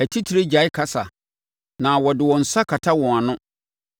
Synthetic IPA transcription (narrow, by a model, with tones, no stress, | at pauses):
æ˨tʰi˦tʰi˨ɾe˦d͡ʑa˨˦ɪ˦kʰa˦sa˨ | nã˨wɔ˨dɪ˨wɔ̃˨n̩˨sa˦kʰa˨tʰa˦wɔ̃˨a˨nʊ̃˦